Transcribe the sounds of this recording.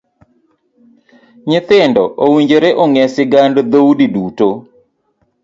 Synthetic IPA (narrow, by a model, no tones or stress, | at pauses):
ɲɪt̪ɪndɔʔowiɲd͡ʒeɾeʔoŋɛsɪɡandd̪owdiduto